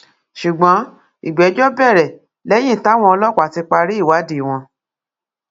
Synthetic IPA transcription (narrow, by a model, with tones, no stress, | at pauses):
ʃu˨ɡ͡bɔ̃˨˦ | i˨ɡ͡bɛ˨˦d͡ʒɔ˦bɛ˦˨ɾɛ˨ | lɛ˦j̃ĩ˦˨ta˨˦w̃ɔ̃˧ɔ˧lɔ˦˨kʷa˨ti˧k͡pa˧ɾi˦i˦˨wa˨˦di˦˨w̃ɔ̃˧